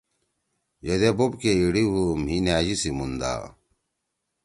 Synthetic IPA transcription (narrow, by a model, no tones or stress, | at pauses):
jed̪ebubkeiɽiɦumhinaːd͡ʑisimund̪a̰ː